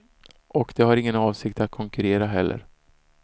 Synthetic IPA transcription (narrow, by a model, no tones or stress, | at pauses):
ʔɔkd̪̥ɛɦaɾɪŋːənɑːvsɪk̚t̪at̪̚kʰɔŋkɵɾeːɾaɦɛlːʔə̰ɾ